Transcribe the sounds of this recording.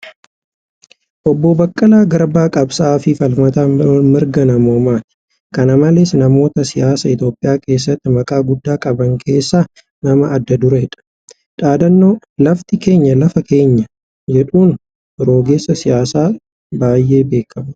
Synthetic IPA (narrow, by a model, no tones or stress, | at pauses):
ʔɔbːoːbɐkʼːɐlaːɡɐɾbaːkʼɐbsaːfɪfɐlmɐt̪amɪɾɡɐnɐmoːmaːt̪ɪ̥ | kɐnɐmɐlɛsnɐmo̞ːt̪ɐsɪjaːsɐɪt̪jo̞ːpʼːɪjaːke̞ːs̬ːɐt̪ːɪmɐkʼaːɡʊd̪ːaːkʼɐbɐŋkʰe̞ːsːaː | nɐmɐːd̪ːɐd̪ʊɾɐɛᶑɐ̥ | ᶑaːd̪ɐnːoː | lɐft̪ɪke̞ːɲːɐlɐfɐke̞ːɲːɐ | d͡ʒɛᶑuːn | ɪɾo̞ːɡe̞ːsːɐsɪjaːsaː | baːjːe̞ːbe̞ːkʰːɐmɐ